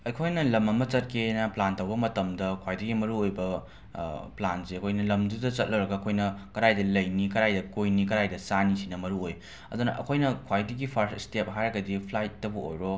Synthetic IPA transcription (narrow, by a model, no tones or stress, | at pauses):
ɐjkʰojnɐlɐmɐmɐt͡ʃɐt̚kʰenɐplantɐwbɐmɐtɐmdɐkʰwajdɐɡimɐɾuojbɐ | planseɐkʰojnɐlɐmdudɐt͡ʃɐt̚lɐwɾɐɡɐɐkʰojnɐkɐɾajdɐlɐjnikɐɾajdɐkojnikɐɾajdɐsanisinɐmɐɾuoj | ɐ̰dunɐ̰ʔɐ̰kʰojnɐkʰwajdɐɡipʰaɾsistep̚ɦajɾɐɡɐdipʰlajtːɐbɐo̰jɾo